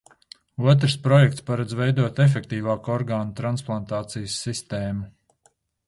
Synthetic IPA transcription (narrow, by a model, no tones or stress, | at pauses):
uɔt̪̬ɾspɾɔjɛkt̪spaɾad̪zvɛjd̪uɔt̪ɛf̬ɛk̚t̪iːvaːkɔɾɡaːnut̪ɾansplˠant̪aːt̪sijəsːist̪eːmu